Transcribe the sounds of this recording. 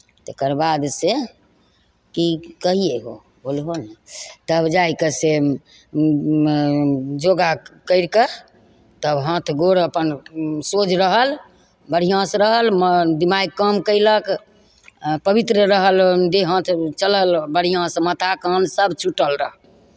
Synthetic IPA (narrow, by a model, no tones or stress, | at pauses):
t̪ekəɾbad̪se | kikəɦijeɦo̰ | bʱolɦonet̪əbd͡ʒajkese | d͡ʒoɡakəɪɾkə | t̪əɦə̃t̪ʰɡoɾəpənsod͡ʒɾəɦəl | bəɽ̤ijãsɾəɦəlmd̪imajkəmkəɪlək | pəbit̪ɾəɾəɦəld̪eɦə̃t̪ʰt͡ʃələlbəɽ̤ijãsəmət̪ʰakənsəbt͡ʃʰuʈəlɾəɦəl